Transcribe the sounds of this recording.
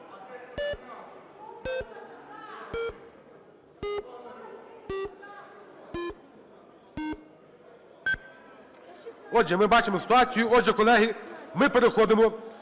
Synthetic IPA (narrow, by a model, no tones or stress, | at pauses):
ɔd͡ʒɛmɪbat͡ʃɪmɔsɪ̥t̪ʊat͡sʲijʊɔd͡ʒɛkɔlˠɛɦimɪpeɾexɔd̪ɪmɔ